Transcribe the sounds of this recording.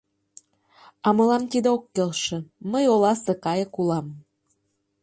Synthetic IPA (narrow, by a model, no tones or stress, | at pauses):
ɑmɤ̆lɑmt̪id̪eokːelʃĕməjolɑsĕkɑjɤ̆kulɑm